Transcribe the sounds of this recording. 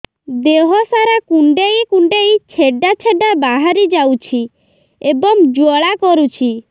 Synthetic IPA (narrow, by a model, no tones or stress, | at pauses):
d̪eɦɔsaɾakuɳɖejkuɳɖejt͡ʃʰeɖat͡ʃʰeɖabaɦaɾid͡ʒawt͡ʃʰi | ebɔŋd͡ʒɔɭakɔɾut͡ʃʰi